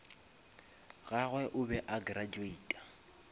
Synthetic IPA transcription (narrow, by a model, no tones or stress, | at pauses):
ɣaɣwɛʔʊbɛʔaɡrad͡ʒuiːtʼḁ